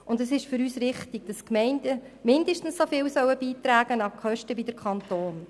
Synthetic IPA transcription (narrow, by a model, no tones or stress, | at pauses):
ʊndɛsɪʃfʏɾyːsɾɪχtɪɡ̥̚d̥ɑskmɛɪndə | mɪndəʃtn̩ssofɪːwsœwəb̥iːtɾæːɡ̥ənɑkχœʃtəvidəɾkχɑnt̪oːn